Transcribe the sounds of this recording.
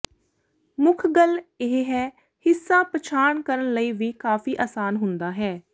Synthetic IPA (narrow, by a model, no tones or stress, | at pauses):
mʊkʰɡəleɦɦɛː | hɪsːãːpət͡ʃʰaːɳkəɾəɳləiːʋiːkaːfiːʔaːsaːnɦʊnd̪aːɦɛː